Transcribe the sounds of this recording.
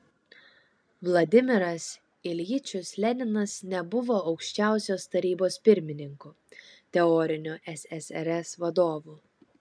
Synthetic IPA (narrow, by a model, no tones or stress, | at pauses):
ʋlˠɐd̪ʲɪmʲɪɾɐs | ɪlʲjɪt͡ʃʲʊslʲɛnʲɪnɐsnʲɛbʊʋoːɒʊkʃʲt͡ʃʲæˑʊsʲoːst̪ɐɾʲiːboːspʲɪɾʲmʲɪnʲɪŋkʊ | t̪ʲɛɔɾʲɪnʲʊʔɛsʲɛsɛɾʲɛsʋɐd̪oːʋuː